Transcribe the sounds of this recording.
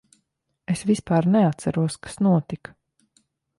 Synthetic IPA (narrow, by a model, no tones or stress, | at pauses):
esvispɑːɾnɛat̪sæɾuɔskḁsnuɔt̪ik